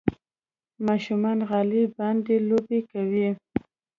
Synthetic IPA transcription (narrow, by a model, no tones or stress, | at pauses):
mɑʃumɑnɣɑlibɑnd̪elobekawi